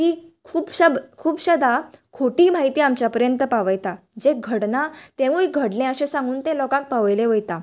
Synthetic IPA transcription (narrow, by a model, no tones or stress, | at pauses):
t̪iːkʰuːbɕəbkʰuːbɕəd̪akʰoʈiːmaɦit̪iːamt͡ɕjapəɾjənt̪əpaʋəjt̪a | d͡ʑeɡʱəɽnat̪ẽʋuiɡʱəɽlẽəɕẽsãŋɡuːnt̪ẽlɔkãk̚paʋəjlẽʋəjt̪a